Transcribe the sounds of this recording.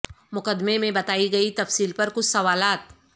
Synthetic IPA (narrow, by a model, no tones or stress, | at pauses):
mʊkəd̪memẽbɐt̪aːiɡɐit̪ɐfsiːlpɐɾkʊt͡ʃʰsɐʋaːlaːt̪